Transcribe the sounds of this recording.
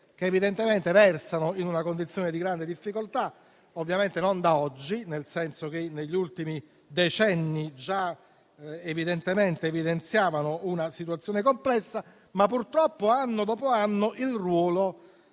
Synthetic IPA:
k̟eːvid̪ent̪ement̪evɛrsanoinunakond̪it̪sjoːned̪iɡɾand̪ed̪ifːikolt̪a | ovːjament̪enond̪aɔd͡ʒːinelsɛnsok̟enːeʎːiult̪imi | d̪et͡ʃɛnːid͡ʒa | evid̪ent̪ement̪eːvid̪ent̪sjaːvanounasit̪̬wat̪sːjoːnekomplɛsːa | mapːurt̪ɾɔpːoanːod̪ɔːpoanːoʔilrwɔːlo

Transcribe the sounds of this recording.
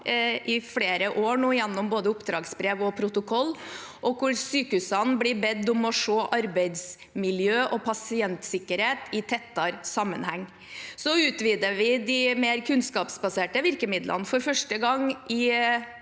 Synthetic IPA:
ʔɪfɽeːɾəʔoːɳuːjɛnːɔmboːd̪əʊpd̪ɾɑːɡsbɾeːʋɔpʰɾʊt̪ʊkʰɔlː | ʔɔkʰʊɾsyːkəʉsɑnblɪbɛd̪ːʊmɔʂoːʔɑɾbæɪd̪s | mɪljøːʔɔpʰɑsɪɛnt̪sɪkːəɾheːt̪ɪt̪ʰɛt̪ːɑɾsɑmːə̰nhæŋː | sɔʉːt̪ʋiːd̪əʋɪd̪ɪmeːɾkʰʉnskɑːpsbɑseːʈəʋɪɾkəmɪd̪lʔə̰nfɔɾfœʂʈəɡɑŋʔɪ

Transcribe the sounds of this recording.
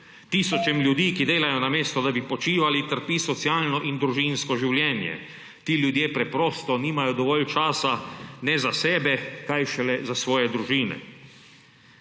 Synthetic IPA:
t̪iːsɔt͡ʃɛmljud̪iːkid̪eːlajɔnameːst̪ɔd̪abipɔt͡ʃiːʋalit̪əɾpiːsɔt̪sjaːlnɔʔind̪ɾuʒinskɔʒiwljɛːnjɛ̰ | t̪iːljud̪jeːpɾɛpɾɔːst̪ɔniːmajɔd̪ɔʋɔːlt͡ʃaːsanɛzasɛːbɛkajʃɛlɛzasʋɔːjɛd̪ɾuʒiːnɛ̰

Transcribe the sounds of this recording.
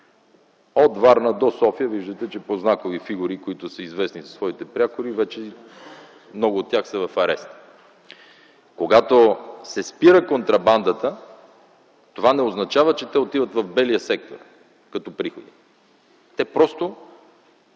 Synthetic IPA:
od̪vaɾnəd̪osɔfijəviʒd̪ət̪ɛt͡ʃɛpoznakovifiɡuɾikoit̪ʊsəizvɛsnizɐsvɔit̪ɛpɾʲiakoɾivɛt͡ʃɛ | mnɔɡʊot̪ːjaxsɛvɐfɐɾɛst̪ | koɡat̪osɛspiɾəkont̪ɾɐband̪ət̪ə | t̪ovanɛoznɐt͡ʃavət͡ʃɛt̪ɛot̪ivət̪vɐvbɛlijəsɛk̚t̪o̰r | kɐt̪ɔpɾixod̪i | t̪ɛpɾɔst̪o

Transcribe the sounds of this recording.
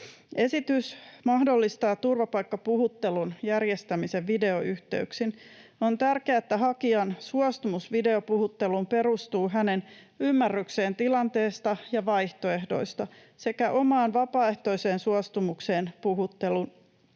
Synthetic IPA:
e̞sit̪ysmɑhdo̞lːist̪ɑːt̪ːurʋɑpɑjkːɑpuhut̪ːe̞lunjærje̞st̪æmise̞ʋʋide̞oyht̪e̞̰yksino̞nt̪ærkeæet̪ːæɦɑkiɑnsuɑst̪umusʋide̞o̞puhut̪ːe̞lumpe̞ɾust̪uːɦæne̞n | ymːærːykse̞ːnt̪ilɑnt̪e̞ːst̪ɑjɑʋɑjht̪o̞e̞hdo̞̰jst̪ɑ | se̞kæʔo̞mɑːnʋɑpɑːe̞ht̪o̞iseːnsuɑst̪umukse̞ːnpuɦut̪ːe̞lun

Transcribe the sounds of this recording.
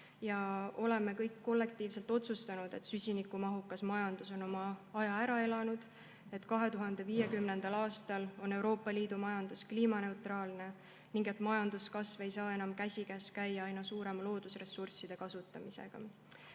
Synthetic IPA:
jɑo̞le̞me̞kɤjkːo̞lːe̞k̚t̪iːvse̞lt̪o̞t̪sust̪ɑnud̪̥e̞t̪ˑsysʲinikumɑɦukːˑɑsmɑjɑnd̪̥uso̞no̞mɑɑjɑæɾɑe̞lɑnud̪̥ | e̞t̪kɑɦe̞t̪uɦɑnd̪̥e̞viːje̞kymne̞nd̪̥ɑlɑːst̪ɑlo̞ne̞wɾo̞ːpːˑɑliːd̪̥umɑjɑnd̪̥uskliːmɑne̞wt̪rɑːlne̞ | niŋɡ̥e̞t̪ːˑmɑjɑnd̪uskɑsve̞jsɑːe̞nɑmkæsʲikæskæjːɑɑjnɑsuːɾe̞mɑlo̞ːd̪̥usre̞sːursid̪̥e̞kɑsut̪ːˑɑmise̞̰ɡ̥ɑ̰

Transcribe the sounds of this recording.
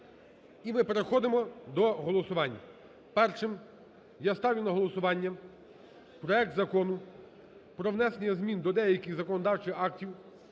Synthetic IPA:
imɪpeɾexɔd̪emɔd̪ɔɦɔlˠɔsʊʋɑnʲːɐ | pɛrʃɪm | jast̪ɑwʲjʲʊnɐɦɔlˠɔsʊʋɑnʲːɐ | pɾɔɛk̚t̪zɐkɔnʊ | pɾɔwnɛsenʲjɐzmʲind̪ɔd̪ɛjɐkʲɪxzɐkɔnɔd̪ɑwt͡ʃɪxɑktʲiw

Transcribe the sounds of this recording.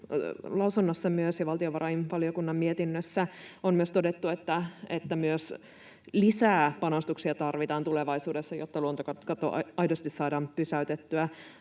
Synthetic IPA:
lɑusunːɑsːɑmyøsjɑʋɑlt̪ioʋɑɾʔɑinʋɑliokunːɑmmiet̪inːøsːæommyøst̪odet̪ːuet̪ːæet̪ːæmyøs | lisæːpɑnɑst̪uksiɑt̪ɑrʋit̪ɑːnt̪uleʋɑisuːdesːɑjot̪ːɑluont̪okɑkɑt̪o̰ɑjdost̪issɑːdɑːmpysæyt̪et̪ːyæ

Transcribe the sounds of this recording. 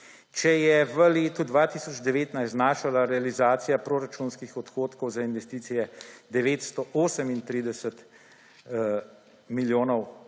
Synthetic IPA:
t͡ʃɛjɛʋəleːt̪ud̪ʋaːt̪iːsɔd͡ʒd̪ɛʋeːt̪najst̪naːʃalaɾɛalizaːt̪sijapɾoːɾat͡ʃunskixɔt̪xoːt̪kɔwzainʋɛst̪iːt̪sijɛd̪ɛʋeːt̪st̪ɔʔoːsəmint̪ɾiːd̪ɛsət̪ | miljoːnɔw

